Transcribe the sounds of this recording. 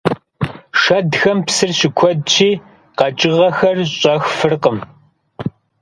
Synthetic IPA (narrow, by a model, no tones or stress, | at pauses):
ʂɐdxɐmpsɨrɕɪkʷʰɔdt͡ʃʰiː | qɐt͡ʃʼɪʁɐxɐrɕʼɐxfɨrqəm